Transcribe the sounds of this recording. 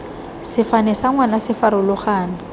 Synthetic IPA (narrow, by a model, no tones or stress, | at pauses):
sɪfanɛsaŋwanasɪfaɾʊlʊχaːnɪ